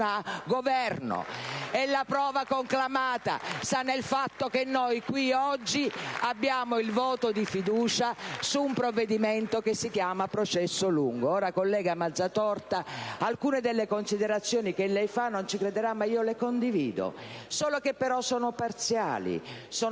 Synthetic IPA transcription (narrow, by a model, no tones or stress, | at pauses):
aɡovɛrno̰ɛlːapɾɔːvakoŋklamaːt̪a̰sanːelfat̪ːokenːojkwiɔd͡ʒːiabːjaːmoilvɔːt̪od̪ifid̪uːt͡ʃasuːmpɾovːed̪imɛnt̪okesːikjaːmapɾot͡ʃɛsːoluŋɡoɔːɾakolːɛːɡamad̪zːat̪ɔrt̪aalkuːned̪elːekonsid̪eɾat̪sːjɔːnikelːɛjfanːont͡ʃikɾed̪eɾamːaiːolekond̪iviːd̪o̰ | sɔːlokepːeɾɔsɔːnopart̪sja̰ːlḭsɔː